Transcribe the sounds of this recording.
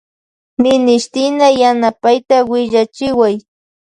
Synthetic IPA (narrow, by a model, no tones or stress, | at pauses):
mɪnɪʃt̪ɪnajanapajt̪awɪʎat͡ʃɪwaj